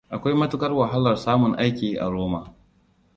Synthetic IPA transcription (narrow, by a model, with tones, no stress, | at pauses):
ʔa˨kʷa˦jmɐ˦tʊ˦kɐ˦rwɐ˨ɦa˦lɐ˨rsaː˦mʊ˨ŋʔa˦jkʲiː˨ʔa̰˨ɾoː˦maː˨